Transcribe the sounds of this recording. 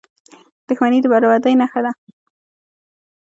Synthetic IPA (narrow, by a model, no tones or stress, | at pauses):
d̪̥ʊxmanid̪əbaɾawaɾd̪əjnaxad̪a